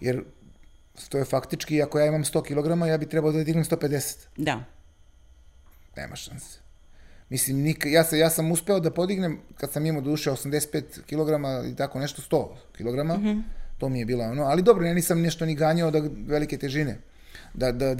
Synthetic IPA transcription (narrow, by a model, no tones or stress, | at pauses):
jeɾ | st̪oefakt̪it͡ʃkiakojaːimamst̪o̞kilo̞ɡɾamajaːbit̪ɾɛbalod̪ad̪iɡnemst̪o̞ːpe̞d̪ese̥t̪d̪a | nḛːma̰ʃanse̥mislimnikjaːsejaːsamuspe̞od̪apo̞d̪iɡnemkad̪samimamod̪uːʃeosamd̪ese̥t̪peːt̪kilo̞ɡɾamaḭlt̪ako̞neʃt̪ost̪o̞ː | kilˠo̞ɡɾamat̪o̞ːmije̞biːloonoalid̪obɾonenisamnɛʃt̪oniɡaːɲaod̪aʋeliket̪eʒinḛ | d̪ad̪a